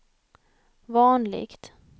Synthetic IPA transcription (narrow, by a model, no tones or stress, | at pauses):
vɑːnlɪ̰ɡt̪